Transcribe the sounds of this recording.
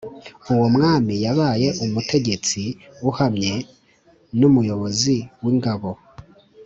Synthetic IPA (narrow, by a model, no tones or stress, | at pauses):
uwo̞mŋaːmijaβaːje̞ʔumute̞ɟe̞t͡siuhamɲe̞ | numujo̞βo̞ziwiŋɡaβo̞